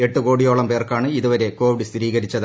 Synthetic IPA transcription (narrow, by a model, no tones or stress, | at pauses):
e̞ʈːuko̞ːɽijo̞ːɭɐmpe̞ːrkaːɳɨiðuʋɐɾe̞ko̞ːʋiɽɨst̪iɾiːɣɐɾit͡ɕːɐð